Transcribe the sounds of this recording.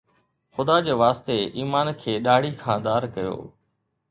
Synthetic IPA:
xʊd̪ad͡ʑeːʋaːst̪eiːmaːnkʰeːɗaːɽ̤ikʰãːd̪aːɾkɐjo̰ː

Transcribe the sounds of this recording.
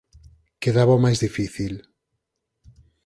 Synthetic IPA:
keðaβawmajzðifiθil

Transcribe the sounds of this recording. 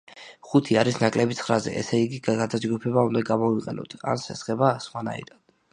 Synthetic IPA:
χut̪ʰiaɾisnakʼlɛbit̪sʰχɾazɛ̰ʔɛ̰sɛiɡiɡɡad̪ad͡ʒɡupʰɛbaund̪aɡamɔiqʼɛnɔ̰t̪ʰa̰nsɛsχɛbasχwana̰ḭd̪and̪̥

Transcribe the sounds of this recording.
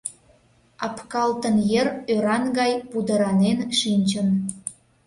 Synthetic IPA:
ɑpkɑlt̪ənjərøɾɑnɡɑjpud̪əɾɑnenʃinʲt͡ɕəm

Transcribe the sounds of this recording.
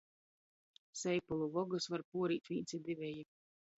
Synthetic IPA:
sɛjpulˠuvɔɡɨsvaɾpuɔɾiːt̪ʲvʲiːnt̪sʲid̪ivʲɛji

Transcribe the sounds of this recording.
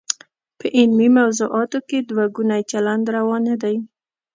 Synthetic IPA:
pəʔɪlmimawzuʔɑt̪oked̪waɡunajt͡ʃaland̪ɾawɑnad̪aj

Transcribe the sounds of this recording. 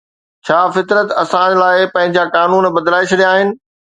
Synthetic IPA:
t͡ɕʰaːfɪt̪ɾət̪ɐsãlaːɪpɐ̃ɦɪ̃ɲd͡ʑakaːnuːnbɐd̪laːɪʃɗijaːɦɪnɪ̆

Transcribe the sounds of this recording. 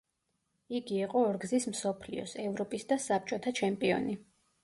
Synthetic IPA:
iɡiːqʼɔːɾɡzismsɔpʰlḭɔ̰sɛvɾɔpʼisd̪asap̚t͡ʃʼɔt̪ʰat͡ʃʰɛmpʼiɔ̰ni

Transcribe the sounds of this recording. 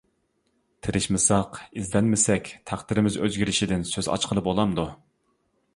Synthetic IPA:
t̪ʰɪɾɪʃmɪsɑqizlɛnmɪsɛkʲt̪ʰæχd̪ɪɾɪmɪzø̰zɡʲiɾɪʃid̪ɪnsøzɑ̰t͡ʃqʰəlˠɨbolˠɑmd̪u

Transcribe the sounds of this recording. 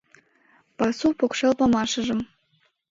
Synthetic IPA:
pɑsupokʃelˠpɑmɑʃɤ̆ʒɤ̆m

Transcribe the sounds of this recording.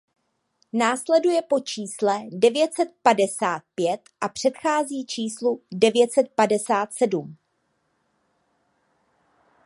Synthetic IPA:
naːslɛdujɛpo̞t͡ʃiːslɛdɛvjɛt̪sɛt̪̚padɛsaːt̪̚pjɛt̪ʔapr̝̥ɛt̪xaːziːt͡ʃiːsludɛvjɛt̪sɛt̪̚padɛsaːt̪sɛdum

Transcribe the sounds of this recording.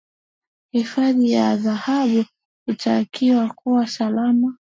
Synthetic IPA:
hifaðijaðahaɓu | itakiwakuwasalama

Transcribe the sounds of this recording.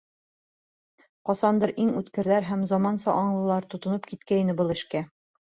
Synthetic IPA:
qɒsɑnd̪ɤɾʔiŋʉt̪kɘ̆ɾðæɾɦæmzɒmɑnsɑʔɒɴlˠɤ̆lˠɑɾt̪ŏt̪ŏnɤpkit̪̚kæinɘbɤlˠɘ̆ʃkæ

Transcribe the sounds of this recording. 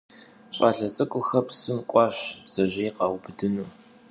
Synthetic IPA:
ɕʼaːɬɐt͡sʼɨkʷʼʊxɐpsɨmkʷʼɑːɕbz̥ɐʑɐjqɑwbɨdɨnuː

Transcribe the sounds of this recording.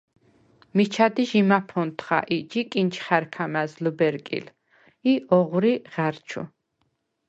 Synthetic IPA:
mit͡ʃʰad̪iʒimapʰɔnt̪ʰχa̰ʔid͡ʒikʼint͡ʃʰχaɾkʰamazlubɛɾkʼḭl | iʔɔʁɾiʁ̥aɾt͡ʃʰṵ

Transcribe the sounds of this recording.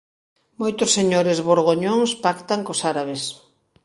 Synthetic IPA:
mojt̪ʊsːeɲoɾezβoɾɣoɲoŋspakt̪aŋkosaɾaβes

